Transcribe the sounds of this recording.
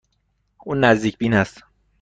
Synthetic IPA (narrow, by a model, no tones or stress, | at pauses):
ʔuːnːæzd̪iːcʰbiːnhæst̪